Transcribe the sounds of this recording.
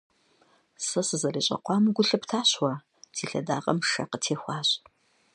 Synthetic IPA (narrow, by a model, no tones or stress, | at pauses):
sɐsɨzɐriːɕʼɐ̰qʷʼɑːmɡʷʊɬɨptʰaːɕwɐ | tʰiːɬɐ̰da̰ːʁɐmʂɐ̰qətʰeːxʷɑːɕʼ